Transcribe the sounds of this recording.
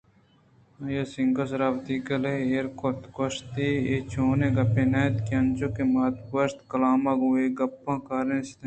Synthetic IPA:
ɐjɐsĩŋɡosɾaːbt̪iːkɐleeːɾkoɾt̪koʃt̪iet͡ʃʰoːnẽɡɐpeːnɐːt̪kiɐnt͡ʃokemɐːt̪bɐst̪kɐlaːmɐɡuːeɡɐpːãːkaːɾẽst̪

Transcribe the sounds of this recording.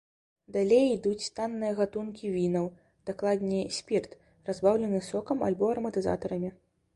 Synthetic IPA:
d̪alʲejid̪ut͡sʲst̪anːɨjɐɣat̪unkʲivʲinɐw | d̪̥aklˠad̪ʲnʲijɐsʲpʲirt̪ | razbawlʲɛnɨsɔkɐma̰lʲbɔɐɾɐmɐt̪ɨza̰t̪ɐɾɐmʲi

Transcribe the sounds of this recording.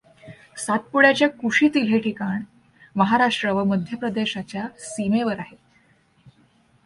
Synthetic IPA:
sat̪̚puɽjat͡ɕjakuʂiːt̪il̤eʈʰikaɳ | məɦaɾaʂʈɾəʋəməd̪ʱjəpɾəd̪eɕat͡ɕjasimeʋəɾaɦe

